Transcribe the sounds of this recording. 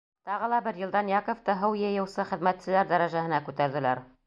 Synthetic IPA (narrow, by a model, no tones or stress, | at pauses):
t̪ɑʁɤ̆lˠɑbɘɾjɤ̆lˠd̪ɑnjɑkŏft̪ɤɦɤwjɤ̆jɤ̆wsɤχɘ̆ðmæt̪sɘ̆læɾd̪æɾæʒæhɘ̆nækʉt̪æɾðɘ̆læɾ